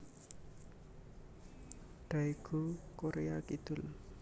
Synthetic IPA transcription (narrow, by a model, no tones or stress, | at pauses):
ɖ̥aiɡ̥okoɾeakid̪̥ʊ̤l